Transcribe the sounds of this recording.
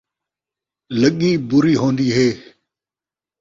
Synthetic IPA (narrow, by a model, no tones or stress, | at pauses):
ləɠiːbʊɾiːɦõːnd̪iːɦeː